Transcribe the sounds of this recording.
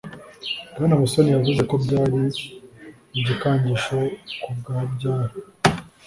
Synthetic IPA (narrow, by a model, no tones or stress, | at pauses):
ɡ̥anamusonijavuze̞ko̞bɟaːɾi | ibɟikaːɲɟiʃokubɡaabɟaːɾi